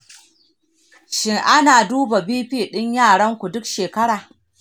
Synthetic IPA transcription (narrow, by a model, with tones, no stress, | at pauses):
ʃɪ˦ŋʔa˦naː˨duː˦ba˨biː˦ɸiː˦˨ɗɪ˦ɲjaː˦˨ɽɐ˦ŋkʷu˨dʊ˦kʃeː˨kɐ˦ɽaː˨